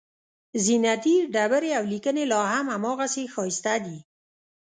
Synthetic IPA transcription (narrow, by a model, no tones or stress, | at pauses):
zinat̪iɖabəɾeawlikənelɑɦamamɔɣasexɔist̪ad̪i